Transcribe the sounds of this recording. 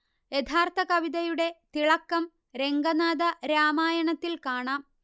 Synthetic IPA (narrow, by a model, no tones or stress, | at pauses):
jet̪ʰaːrt̪ʰɐkɐʋiðɐjuɽe̞t̪iɭɐkːɐm | ɾe̞ŋɡɐnaːd̪ɐɾaːmaːjɐɳɐt̪ːilkaːɳaːm